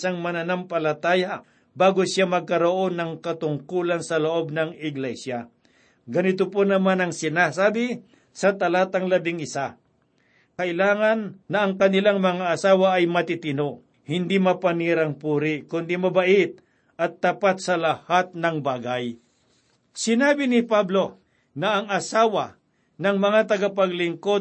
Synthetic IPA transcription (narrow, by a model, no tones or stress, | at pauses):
saŋmɐnɐnampɐlɐt̪aːja | baːɡosjamɐɡ̚kɐɾoʔo̞nɐŋkɐt̪ʊŋkuːlɐnsɐloʔo̞b̚nɐŋɪɡlɛsja | ɡɐnɪt̪oponɐmanɐŋsɪnasaːbɪ | sɐt̪ɐlaːt̪ɐŋlɐbɪŋʔɪsa | kɐʔɪlaːŋɐnːɐʔɐŋkɐnɪlaŋmɐŋaʔɐsaːwaʔɐjmɐt̪ɪt̪ɪnoʔ | hɪnd̪imɐpɐniːɾɐŋpuːɾɪkʊnd̪imɐbɐʔɪt̪̚ | ʔɐt̪ːapat̪̚sɐlɐhat̪̚nɐŋbaːɡaj | sɪnaːbɪnɪpablo̞ | nɐʔɐŋɐsaːwa | nɐŋmɐŋat̪̬ɐɡap̬ɐɡlɪŋko̞